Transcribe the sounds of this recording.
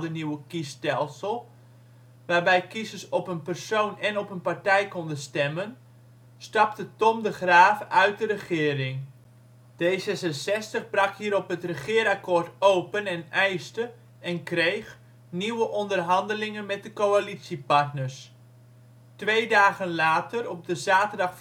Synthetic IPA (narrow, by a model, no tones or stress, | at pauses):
dəniwəkistɛlˠsəlˠ | ʋaːrbɛjkisəsɔpənpərsownɛnɔpənpartɛjkɔndəstɛmən | stɑptətɔmdəχraːfœɥt̚dərəχɪːɾɪŋ | d̥ejsɛsəsɛstəχbrɑkhiːɾɔpɦətrəχɪːəɾakoːrtowpənɛnɛjstə | ɛnkrejx | niwəʔɔndərɦɑndəlɪŋənmɛt̚dəkowalitsipɑrtnərs | tʋejdaːɣənlaːtərɔb̚dəzaːtərdɑχ